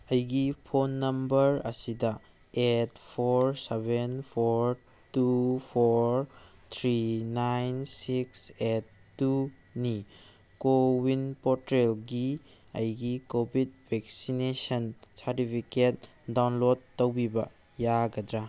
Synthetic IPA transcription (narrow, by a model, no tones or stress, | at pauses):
ɐjɡipʰonːɐmbɐɾɐ̰sidɐ | etpʰoɾsebʱenpʰoɾ | tupʰoɾt̪ʰɾinajnsiksetːu | ni | kowinpɔɾtɾelɡi | ɐ̰jɡikobʱid̚bʱeksinesɐnsaɾtipʰiket̚ | dawnlodːɐwbibɐ̰ | jaɡɐdɾa